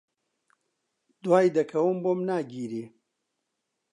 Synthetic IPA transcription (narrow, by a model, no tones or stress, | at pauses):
d̪waːjd̪ɐkʰɐwɨmboːmnaːɡiːɾeː